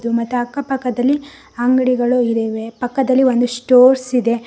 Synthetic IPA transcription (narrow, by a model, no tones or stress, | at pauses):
d̪umɐt̪ːuɐkːɐpɐkːɐd̪ɐlːi | ɐŋɡɐɽiɡɐɭuiɾɐʋe̞pɐkːɐd̪ɐlːiʋond̪usʈoːɾsid̪e̞